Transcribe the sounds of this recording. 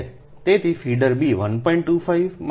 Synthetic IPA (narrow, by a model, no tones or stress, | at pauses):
t̪et̪ʰifiɖəɾbiʋənpɔiɳʈʈːuːfaiʋm